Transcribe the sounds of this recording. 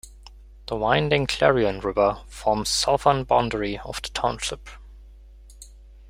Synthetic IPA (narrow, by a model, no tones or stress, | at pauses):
ðəwãɪ̃ndɪ̃ŋkʰl̥ɛɹiə̃nɹɪvə˞fɔɹmz̥sɔvə̃nbãʊ̃ndə˞iə̰v̥ðətʰãʊ̃nʃɪp